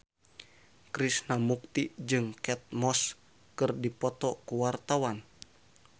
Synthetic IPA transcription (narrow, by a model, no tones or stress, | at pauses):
kɾisnamuk̚t̪id͡ʒɨŋkɛt̪̚mɔs | kɨrdipɔt̪ɔkuwart̪awan